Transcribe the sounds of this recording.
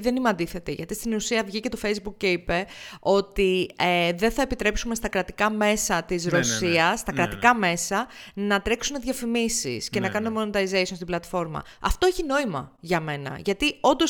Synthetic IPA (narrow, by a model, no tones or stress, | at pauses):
ðe̞nimeɐnd̪iθe̞t̪iʝɐt̪ist̪inusiɐvʝice̞t̪o̞fe̞jzbuk̚ceipe̞o̞t̪ieðenθɐe̞pit̪ɾe̞psume̞st̪ɐkɾɐt̪ikɐme̞sɐt̪izɾo̞siɐst̪ɐkɾɐt̪ikɐme̞sɐnɐt̪ɾe̞ksune̞ðʝɐfimisḭsce̞nɐkɐnumemo̞not̪ɐizejsonst̪iblɐt̪fo̞ɾmɐ̰ | ɐ̰ft̪o̞eçino̞imɐ̰ʝɐme̞nɐ̰ʝɐt̪io̞nd̪o̞s